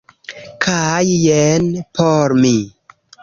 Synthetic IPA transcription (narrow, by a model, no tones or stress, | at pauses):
kʰajjɛnpʰoɾmi